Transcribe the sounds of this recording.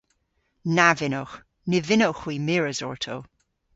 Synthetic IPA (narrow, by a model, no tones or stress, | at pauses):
navɪnox | nɪvɪnowxwimiɹəzɔ̰ɹtʰow